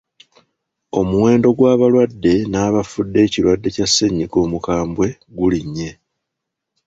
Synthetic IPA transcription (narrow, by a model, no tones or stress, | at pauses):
o̞muwe̞ːndo̞ɡwaːβalwadːe̞naːβafudːe̞ːciɾwadːe̞casːe̞ɲːiɡo̞ːmukaːmbwe̞ | ɡuliɲːe̞